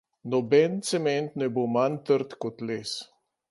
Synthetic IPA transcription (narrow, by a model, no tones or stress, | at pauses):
nɔbɛnt̪sɛmɛnt̪nɛbomant̪əɾt̪kɔt̪leːs